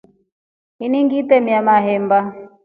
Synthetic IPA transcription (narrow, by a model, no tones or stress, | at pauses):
iniŋɡit̪ɛmiamaɦɛmba